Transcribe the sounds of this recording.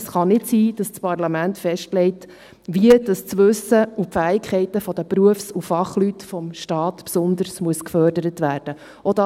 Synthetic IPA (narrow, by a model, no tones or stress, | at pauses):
sχɑnɪtsiːd̥ɑst͡spɑrlɑmæntfɛʃtlɛɪt | ʋiəd̥ɑst͡sʋɵsəupfæːɪkχɛɪtəfɔd̥̪əpɾuəfsufɑχlytfɔmʃtɑːtpsʊnd̪əɾsmuəskfœːɾdəɾətʋæːɾd̥ə | od̥ɑ